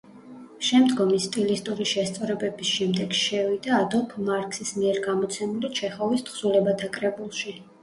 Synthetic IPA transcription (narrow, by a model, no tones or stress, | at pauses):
ʃɛmd̪ɡɔmist̪ʼilist̪ʼuɾiʃɛst̪sʼɔɾɛbɛbisʃɛmd̪ɛɡ̥ʃɛvid̪aːd̪ɔlˠpʰmaɾkʰʼsismiɛɾɡamɔt̪sʰɛmulit͡ʃʰɛχɔvist̪ʰχsulɛbat̪ʰakʼɾɛbulˠʃi